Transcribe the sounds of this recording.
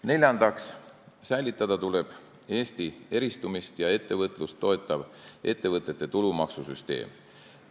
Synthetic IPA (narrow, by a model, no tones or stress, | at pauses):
ne̞lʲjɑnd̪̥ɑks | sæjlit̪ːˑɑd̪̥ɑt̪ule̞b̥ | e̞ːst̪ie̞ɾist̪umist̪jɑe̞t̪ːe̞vɤt̪ːˑlust̪ːo̞e̞t̪ːˑɑv̥ʔe̞t̪ːe̞vɤt̪ːˑet̪ːe̞t̪ulumɑksusyst̪e̞̰ːm